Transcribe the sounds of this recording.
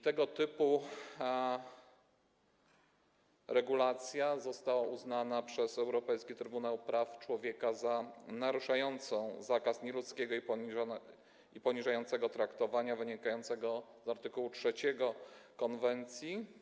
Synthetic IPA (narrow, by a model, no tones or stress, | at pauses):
t̪ɛɡɔt̪ɘpu | ɾɛɡulat̪sʲjazɔst̪awauznanapʂɛsɛwɾɔpɛjskʲit̪ɾɘbunawpɾaft͡ʂwɔvʲjɛkazanaɾuʂajɔnt̪sɔ̃w̃zakasɲɛlut̪skʲɛɡɔip | ipɔɲiʐajɔnt̪sɛɡɔt̪ɾakt̪ɔvaɲavɘɲikajɔnt̪sɛɡɔzaɾt̪ɘkuwut͡ʂʂɛt͡ɕɛɡɔkɔnvɛnt̪sʲji